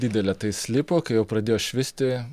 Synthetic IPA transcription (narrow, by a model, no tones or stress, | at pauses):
d̪ʲiːd̪ʲɛlʲɛt̪ɐɪsʲlʲɪpoːkɐɪjɛʊpɾɐd̪ʲeːjoːʃʲʋʲɪsʲt̪ʲɪ